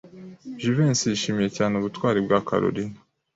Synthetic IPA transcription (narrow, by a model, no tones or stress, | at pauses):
ʒiveːnsijiʃiːmije̞caːneuβutwaːɾibɡaka̰ɾo̰ɾinḁ